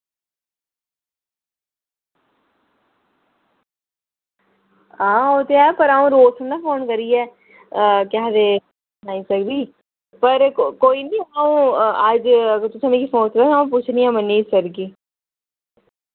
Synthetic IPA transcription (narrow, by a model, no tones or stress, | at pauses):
ãːoːt̪eɛːpəɾaːũːɾoːsənaːpʰoːnkəɾiːɛː | kɪad̪eː | naːĩːsəkd̪iː | pəɾkoːiːnĩːaːũːəd͡ʒt̪ʊsãːnẽkifoːnk̪aːaːũpʊt͡ʃʰniɛ̃ːmənːiːsəɾɡiː